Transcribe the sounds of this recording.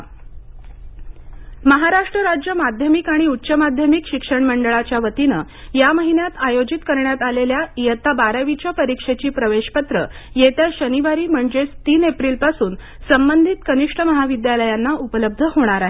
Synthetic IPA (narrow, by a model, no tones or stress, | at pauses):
məɦaɾaʂʈɾəɾad͡ʑjəmad̪ʱjəmikaɽ̃iutːɕəmad̪ʱjəmikɕikʂəɳməɳɖəɭat͡ɕjaʋət̪inə̰ | jaməɦinjat̪ajod͡ʑit̪kəɾɳjat̪aleljajət̪abaɾaʋit͡ɕapəɾikʂet͡ɕiːpɾəʋeɕpət̪ɾə | jet̪jaɕəniʋaɾiːm̤əɳd͡zet͡st̪iːnepɾiːlpasuːn | səmbənd̪ʱit̪kəniʂʈʰəməɦaʋid̪jaləjanːaupələb̚d̪ʱəhoɽ̃aɾaɦe